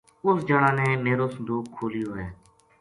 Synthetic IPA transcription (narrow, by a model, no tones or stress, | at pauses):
ʊsd͡ʒəɽãːneːmeːɾoːsənd̪uːkkʰːoːliːoːɦɛː